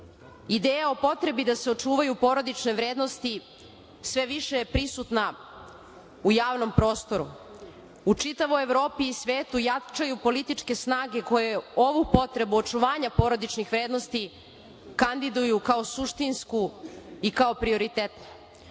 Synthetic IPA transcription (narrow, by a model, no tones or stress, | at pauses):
id̪eːjao̞po̞t̪ɾe̞bid̪aseo̞t͡ʂuːʋajupo̞ːɾo̞d̪it͡ʃne̞ʋɾeːd̪no̞st̪i | sʋe̞ʋiʃejepɾisut̪na | ujaːʋno̞mpɾo̞ːst̪o̞ɾu | ut͡ʂit̪aʋo̞jeʋɾo̞ːpiːsʋeːt̪ujat͡ʃajupo̞lit̪it͡ʂke̞snaːɡe̞ko̞jeoʋupo̞t̪ɾe̞buot͡ʂuʋaːɲapo̞ːɾo̞d̪it͡ʃnixʋɾeːd̪nost̪i | kand̪id̪ujukaosuʃt̪inskuikao̞pɾio̞ɾit̪et̪ni